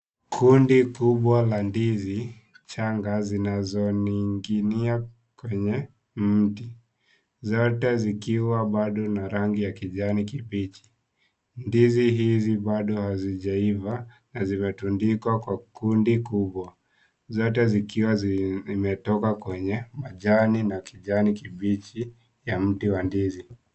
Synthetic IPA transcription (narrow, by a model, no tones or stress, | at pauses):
kʰundikuɓwalandizi | t͡ʃaŋɡazinazɔniŋɡinia | kwɛɲɛ | m̩ti | zɔtɛzikiwaɓaɗɔnaɾaŋɡijakiʄanikipit͡ʃi̥ | ndiziɦiziɓaɗɔhaziʄaivanazimɛtundikakwakundikuɓwa | zɔtɛzikiwamɛtɔkakwɛɲɛmaʄaninakiʄanikiɓit͡ʃi | jam̩tiwandizi